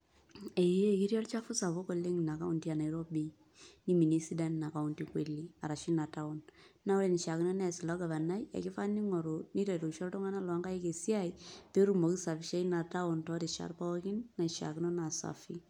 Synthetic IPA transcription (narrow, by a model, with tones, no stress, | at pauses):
e˨je˦˨ki˦ɾjɔ˦lt͡ʃa˦fʊ˦sa˨βo˦kɔ˨le˦ŋna˨ka˦ʊ˨nti˦a˨na˨˦ɾɔ˦bi˦ | ni˦mi˨ni˦si˦da˦nna˨ka˨ʊ˨nti˨kwe˨li˦a˨ɾa˨ʃi˦na˨ta˦ʊ˦nna˦ʊ˦ɾe˨ni˨ʃa˨kɪ˦nɔ˦nɛ˦˨sɪ˨la˨˦ɡa˨βa˨na˦ja̰˨kɪ˦fa˦ni˦ŋɔ˨ɾo˨ni˦ta˨to˨ʃɔ˦ltɔ˦ŋa˦na˦lɔ˨a˦ŋɡa˦je˦ke˨si˦a˦ipe˦ɾu˨mo˨ki˦sa˨fɪ˨ʃe˦i˦na˨ta˦ʊ˨ntɔ˦ɾi˨ʃa̰˨rpa˦wɔ˦kɪ˦nːa˨ʃa̰˨kɪ˦nɔ˦na˨sa̰˨fi˦